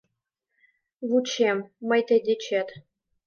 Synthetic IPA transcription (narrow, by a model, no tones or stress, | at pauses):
vut͡ɕemːɤjt̪ʲĕd̪ʲet͡ɕʰet̪